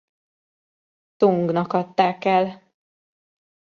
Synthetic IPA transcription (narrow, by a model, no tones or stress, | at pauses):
t̪uŋɡnɒkhɒt̪ːaːkɛl